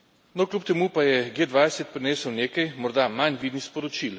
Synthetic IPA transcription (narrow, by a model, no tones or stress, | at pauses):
nɔklʲupt̪ɛmupajɛɡeːd̪ʋaːjsɛt̪̚pɾineːsəwneːkɐjmɔɾd̪amanʋid̪nixspɔɾɔt͡ʃil